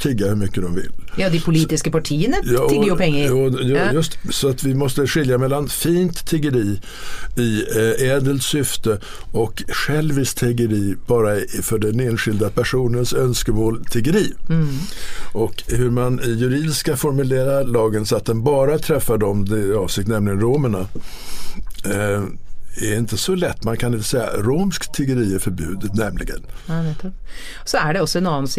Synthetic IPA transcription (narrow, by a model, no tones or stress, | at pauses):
t̪ʰɪɡːahɵɾmʏkːəd̪ɔmvɪ̰ljɑd̪ɛpʰʊliːt̪ɪskəpaʈʰiːənəjɑːpʰɛŋːɔjjɵst̪sɔat̪vɪmɔst̪əɧɪljamɛlːanfiːnt̪ʰːɪɡəɾiː | ɪɛːd̪əlt̪sʏft̪ə | ɔkɧɛlːviːst̪ʰɪɡəɾiːb̥ɑːɾafœɖɛneːnɧɪld̪apʰæʂuːnənsœnskəmoːlt̪ʰɪɡəɾiː | ɔkhɵɾmanɪjɵɾiːd̪ɪskafɔɾmɵleːɾaɾlɑːɡənsɔat̪̚d̪ɛnbɑːɾat̪ʰɾɛfːaɖɔmd̪ɪɑːvsɪk̚t̪nɛmlɪɡənɾoːməɳa | æɾɪnt̪əsɔlɛt̪ːmankʰanɪnt̪ːə̥sɛjːa̰ɾoːmskt̪ʰːɪɡəɾiːæɾfœɾbʉ̟ːd̪ənɛmlɪ̰ɡə̰n | sɔæɖɛɔsːɔɛnɑnːans